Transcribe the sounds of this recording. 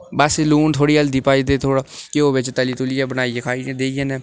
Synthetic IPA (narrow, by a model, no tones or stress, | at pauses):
bəsluːnt̪ʰoːɽiːəld̪iːpaːiːd̪eːt̪ʰoːɽaːkɪoːʋɪt͡ʃt̪əliːt̪ʊlɪjaːbənaːiekʰaːid̪eːijeneː